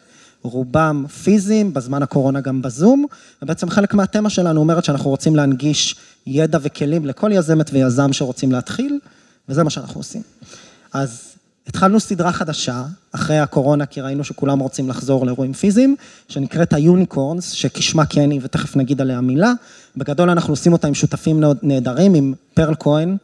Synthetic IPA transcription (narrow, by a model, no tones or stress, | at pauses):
ʁubamfizimbezmanako̞ʁo̞naɡambazum | vebeet͡semχe̞lekmeat̪e̞maʃe̞lanuo̞meʁetʃeanaχnuʁo̞t͡simleanɡiʃ | jedavekʰe̞limlekʰo̞ljaze̞metvejazamʃeʁo̞t͡simleat̪χil | vezemaʃeana̰nuosḭm | az | et̪χalnusid̪ʁaχadaʃaːχʁejako̞ʁo̞nakʰiʁainuʃekulamʁo̞t͡simlaχzo̞ʁleʁuimfiziːm | ʃe̞nikʁe̞thajunikʰoʁnsʃe̞kiʃmakʰenivete̞χefnaɡid̪aleamila | be̞ɡado̞lanaχnuosimo̞taimʃut̪afimne̞ːd̪aʁimimpeʁlkʰoin